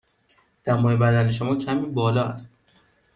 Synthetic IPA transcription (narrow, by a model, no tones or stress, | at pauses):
d̪̥æmɒːebæd̪æneʃo̞mɒːcʰæmiːbɒːlɒːæ̰st̪